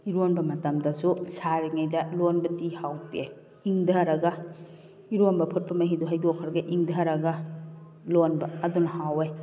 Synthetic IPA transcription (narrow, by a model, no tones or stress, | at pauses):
iɾonbɐmɐtɐmdɐsusaɾiŋajdɐlonbɐtihawte | iŋdɐɾɐɡɐ | iɾonbɐpʰut̚pɐmɐɦiduɦɐjdokʰːɐɾɡɐʔiŋdʱɐɾɐɡɐ | lonbɐɐdunɐhawe